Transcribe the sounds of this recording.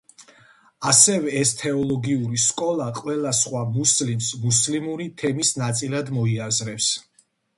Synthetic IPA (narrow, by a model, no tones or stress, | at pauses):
asɛvɛːst̪ʰɛɔlˠɔɡiuɾiskʼɔlˠaqʼwɛlˠasχwamuslimsmuslimuɾit̪ʰɛmisnat̪sʼilˠad̪mɔiazɾɛps